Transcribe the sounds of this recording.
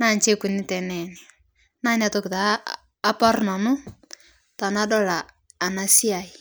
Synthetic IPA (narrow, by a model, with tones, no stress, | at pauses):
na˦˨nt͡ʃe˦ku˨nɪ˦tɛ˨nɛ˨ni˨ | na˦na˨to˦kɪ˨taː˨˦ | pa˦rna˨nʊ˦ | ta˨na˦dɔ˦laː˨ | na˨si˦a˨i˨